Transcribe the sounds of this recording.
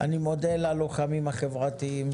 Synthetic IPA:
ʔa̰nimo̞d̪elaloχamimhaχevʁat̪iim

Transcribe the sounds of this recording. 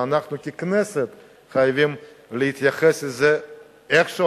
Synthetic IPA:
anaχnukiknɛset̪ | χajvim | lehit̪jaχeslze | eχʃo

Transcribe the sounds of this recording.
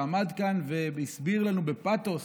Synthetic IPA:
mad̪kanveisbiʁlanube̞pat̪os

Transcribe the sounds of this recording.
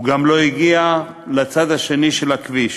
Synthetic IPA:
uɡamlo̞iɡia | lat͡sad̪haʃe̞niʃelakviʃ

